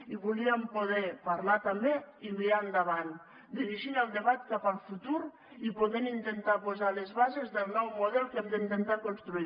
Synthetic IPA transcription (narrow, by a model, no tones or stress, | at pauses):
iβuliampoð̞epaɾlat̪ambeimiɾaːnd̪aβan | d̪iɾiʒinalˠd̪eβat̪̚kapalˠfut̪uɾ | ipoðenint̪ent̪apozalezβazezðelˠnɔwmoðɛlkɛmd̪eint̪ent̪akonst̪ɾui